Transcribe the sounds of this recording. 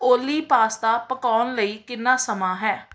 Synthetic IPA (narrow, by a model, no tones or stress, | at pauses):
oːliːpaːst̪aːpəkaːnləiːkɪnːãːsəmaːɦɛː